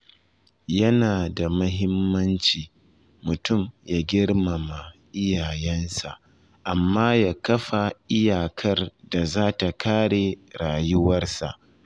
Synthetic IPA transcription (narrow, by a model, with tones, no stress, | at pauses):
jɐ˦naː˨da˨mɐ˦ɦɪ˦mːɐ˦nt͡ʃiː˨ | mʊ˨tʊ˦˨mjaː˦ɡʲɪ˦ɽma˨ma˨ʔɪ˦jaː˨jɛ˦nsa˨ʔ | ʔa˨mːaː˦jaː˦kɐ˦ɸa˨ʔɪ˦jaː˨kʰɐ˦rda˨zaː˦ta˨kʰaː˦ɽeː˨ɽaː˨jʊ˦wɐ˦rsa̰˨ʔ